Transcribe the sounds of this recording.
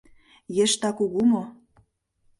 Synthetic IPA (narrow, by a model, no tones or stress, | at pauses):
jĕʃt̪ɑkuɣumo